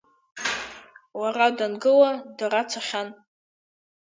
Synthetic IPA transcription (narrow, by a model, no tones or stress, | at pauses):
waradanɡɨladaɾat͡sʰaχʲan